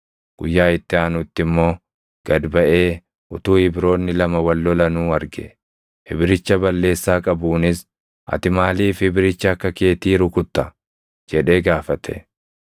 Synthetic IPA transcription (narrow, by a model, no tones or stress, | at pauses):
ɡ̥ʊjːaːɪt̪ːɪaːnʊt̪ːɪmːo̞ː | ɡ̥ɐd̪bɐʔe̞ː | ʔʊt̪uːhɪbɾo̞ːnːɪlɐmɐwɐlːɔlɐnuːɐɾɡɛ | hɪbɪɾɪt͡ʃːɐbɐlːe̞ːsːaːkʼɐbuːnɪs | ʔɐ̰t̪ɪmaːliːfhɪbɪɾɪt͡ʃːɐːkːɐke̞ːt̪iːɾʊkʊt̪ːɐ | d͡ʒɛᶑe̞ːɡaːfɐt̪ʰɛ̰